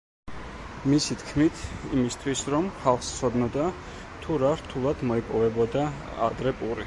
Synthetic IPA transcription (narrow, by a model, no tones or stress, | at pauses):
misit̪ʰkʰmit̪ʰimist̪ʰwisɾɔmχalˠχst̪sʰɔd̪nɔd̪a | t̪ʰuɾaɾt̪ʰulˠad̪̥mɔipʼɔvɛbɔd̪a | a̰d̪ɾɛpʼuɾi